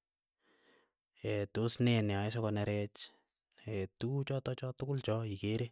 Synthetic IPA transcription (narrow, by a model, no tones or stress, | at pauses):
etosnɛnɛɔɛsɔkɔnɛɾɛt͡ʃ | etut͡ʃɔtɔt͡ʃɔtʊkʊlt͡ʃɔikeɾe